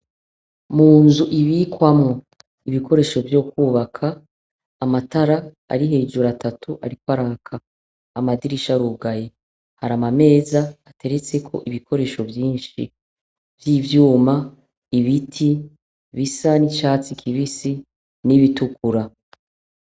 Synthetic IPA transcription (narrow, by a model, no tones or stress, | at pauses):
muːnzuʔiβikwamŋo | iβikʰo̞ɾe̞ːʃo̞vjo̞ːkuːβakʰaː | mataɾa̰ː | ɾiɦe̞ːd͡ʒuɾatatʰuʔa̰ɾikwaɾakʰaː | madiɾiʃaɾuɡaje | haɾamame̞ːzaate̞ɾe̞t͡se̞kʰo̞̰ʔiβikʰo̞ɾe̞ːʃo̞vjiːnʃḭ | v̥jiːvjuːma | iβitʰi | βisanit͡ʃaːt͡sikʰiβisi | niβitukuɾa